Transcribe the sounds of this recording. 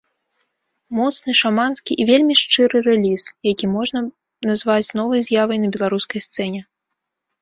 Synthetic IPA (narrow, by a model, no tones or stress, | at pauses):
mɔt̪snɨʂamanskʲiʔivʲelʲmʲiʂt͡ʂɨɾɨɾɛlʲisjakʲimɔʐnɐ | nɐzvat͡sʲnɔvɐjzʲjavɐjnɐbʲɛlˠaɾuskɐjst̪sɛnʲɛ